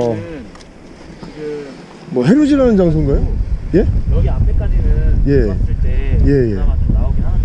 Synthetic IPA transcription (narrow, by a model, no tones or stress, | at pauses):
mʌɦeɾud͡ʑiɾanɯnd͡ʑaŋsʰoŋɡajoje̞ | je̞ | je̞je̞̰